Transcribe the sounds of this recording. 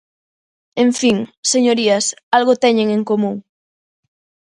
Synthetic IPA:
ẽɱfiŋseɲoɾiɐsalɣot̪ɛɲeŋeŋkomũŋ

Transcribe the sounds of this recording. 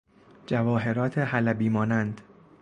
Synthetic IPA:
d͡ʒævɒːɦe̞ɾɒːt̪ʰeɦælæbiːmɒːnænd̪̥

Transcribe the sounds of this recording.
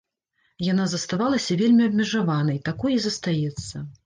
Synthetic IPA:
jan̪azɐst̪avalˠɐsʲɐvʲelʲmʲiɐb̚ʲmʲɛʐavanɐjt̪akɔjizɐst̪ajɛt̪sːɐ

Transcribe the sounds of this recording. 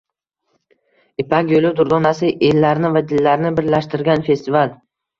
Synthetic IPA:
ɪpʰakʲjolˠʊd̪ʊɾd̪ɒnasɪʔelːaɾnɪvad̪ɪlːaɾnɪbɪɾlaʃt̪ɪɾɡʲanfe̞st̪ɪval

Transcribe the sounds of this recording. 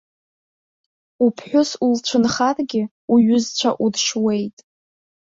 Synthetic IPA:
upʰħʷᶣʊsult͡ʃʷʰɨnχarɡʲɪ | uɥʏzt͡ɕʷʰaʔudʂwe̞jtʼ

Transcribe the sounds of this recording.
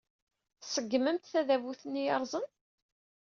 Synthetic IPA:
θsəɡːməmt̪θæðævuθənːijɑɾˤzˤən

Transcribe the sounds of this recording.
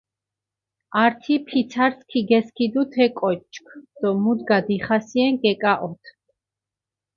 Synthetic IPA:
aɾt̪ʰipʰit̪sʰaɾskʰiɡɛskʰid̪ut̪ʰɛkʼɔt͡ʃʼkʰd̪̥ɔmud̪ɡad̪iχasiɛŋɡɛkʼaʔɔt̪ʰ

